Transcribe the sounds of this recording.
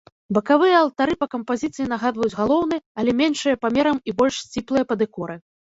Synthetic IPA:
bɐkavɨjɐɐlˠt̪aɾɨpɐkɐmpazʲit̪sɨjin̪aɣad̪vɐjud͡zʲɣalˠɔwn̪ɨɐlʲɛmʲɛnʂɨjɐpamʲɛɾɐmibɔlʲʂsʲt͡sʲiplˠɨjɐpɐd̪ɨkɔɾɨ

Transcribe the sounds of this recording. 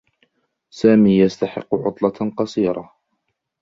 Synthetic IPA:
saːmiːjast̪aħɪ̰qːʊʕʊ̰t̪ˤlɑqɑsˤiːɾˤɑ

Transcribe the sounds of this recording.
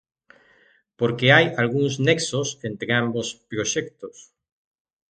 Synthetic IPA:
poɾkeajalɣuŋsneksosent̪ɾeambospɾoʃɛkt̪os

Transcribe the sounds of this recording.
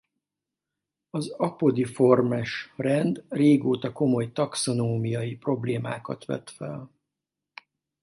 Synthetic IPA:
ɒzɒpo̞d̪ifo̞rmɛʃrɛnd̪reːɡoːt̪ɒko̞mo̞jt̪ɒkso̞noːmijɒjipro̞bleːmaːkɒ̰t̪ʋɛ̰t̪fɛ̰l

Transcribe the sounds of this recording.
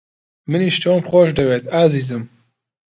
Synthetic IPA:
mɨniːʃt̪oːmxoːʃd̪ɐweːt̪aːziːzɨm

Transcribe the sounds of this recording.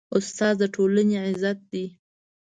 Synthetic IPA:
ʊst̪ɑzd̪əʈʰolaneʕɪzat̪̚d̪i

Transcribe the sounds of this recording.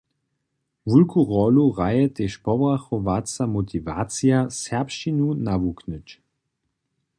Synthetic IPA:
vulkʰuʁɔluʁajət̪eʃpɔbʁaxɔvat͡samotʰiva̰t͡sijasɛpʃinunavuknət͡ʃ

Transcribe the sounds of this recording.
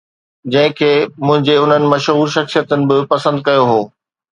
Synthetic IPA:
d͡ʑɐ̃ɦɪ̃kʰeːmʊ̃ɦɪ̃ɲd͡ʑeʊn̤ənɪ̆mɐʃɦuːɾʃɐxsijət̪ənɪ̆bɪpɐsə̃nd̪̚kɐjoɦoː

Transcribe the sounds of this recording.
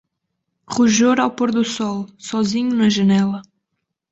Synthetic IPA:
ʁuʒoɾawpoɾðusɔlˠsɔziɲunɐʒɐnɛlˠɐ

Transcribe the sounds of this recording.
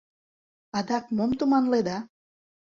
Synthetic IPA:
ɑd̪ɑk̚momt̪umɑnled̪ɑ

